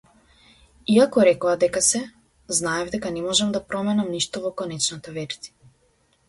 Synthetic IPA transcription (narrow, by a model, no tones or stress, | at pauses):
iakɔɾɛkɔad̪ɛkasɛ | znaɛvd̪ɛkanɛmɔʒɛmd̪apɾɔmɛnamniʃt̪ɔvɔkɔnɛt͡ʃnat̪avɛɾzi̥